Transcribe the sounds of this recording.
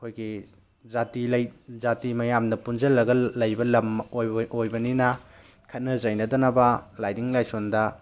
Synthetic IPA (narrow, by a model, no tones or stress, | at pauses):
ɐkʰojɡi | zatilɐjzatimɐjamdɐpunzɐlːɐɡɐlɐjbɐlɐmojojbɐninɐ | kʰɐt̚nɐzɐjnɐdɐnɐbɐlajdiŋlajsondɐ